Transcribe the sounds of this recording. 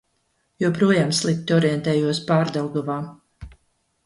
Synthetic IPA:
juɔpɾuɔjaːmslˠip̚t̪iɔɾiɛnt̪ɛːjuɔspaːɾd̪alˠɡ̪ɔvaː

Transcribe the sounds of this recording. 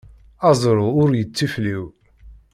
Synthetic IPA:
ɑzˤɾˤʊʊɾjət͡sːifliw

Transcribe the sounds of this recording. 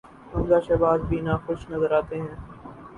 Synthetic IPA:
ʊnzaːʃɐbaːd̪bʱiːnãːxʊʃnɐzəɾaːt̪eɦɛ̃ː

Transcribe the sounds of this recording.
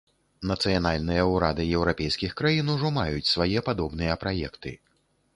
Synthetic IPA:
nɐt̪sɨjanalʲnɨjɐuɾad̪ɨjɛwɾapʲɛjskʲixkɾajinuʐɔmajut͡sʲsvajɛpad̪ɔbnɨjɐpɾajɛ̰kt̪ɨ̰

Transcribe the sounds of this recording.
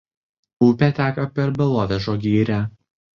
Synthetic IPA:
uːpʲæt̪ʲæːkɐpʲɛɾbʲɛlˠoːʋʲɛʒoːɡʲiːɾʲæ

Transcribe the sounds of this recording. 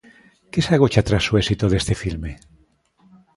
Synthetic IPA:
kesaɣot͡ʃat̪ɾasːuesit̪oðest̪efilme

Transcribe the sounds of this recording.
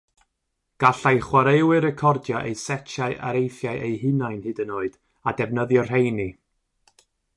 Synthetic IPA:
ɡ̥aɬajχwaɾewɪɾɛkʰɔrdjɔʔejsɛt͡ʃʰaɨʔa̰ɾejθjaɨʔejɦɨnajnhɨdənoːɨd̥ | adɛvnəðjɔr̥ejni

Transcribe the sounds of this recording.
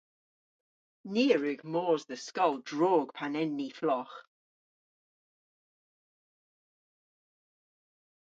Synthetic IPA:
niːɹʉɡmɔːzðəskɔlˠdɹoːɡ̥pʰanɛnːiflɔχ

